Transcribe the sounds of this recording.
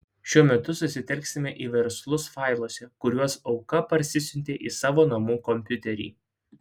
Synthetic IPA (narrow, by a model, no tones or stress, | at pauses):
ʃʲuɔmʲɛt̪ʊsʊsʲɪt̪ʲɛlʲksʲɪmʲɛʔiːʋʲɛɾslˠʊsfɑˑɪlˠuɔsʲɛkʊɾʲuɔsɒʊkɐpɐɾʲsʲɪsʲʊnʲt̪ʲeːʔiːsɑːʋoːnɐmuːkɔmʲpʲʊt̪ʲɛɾʲḭː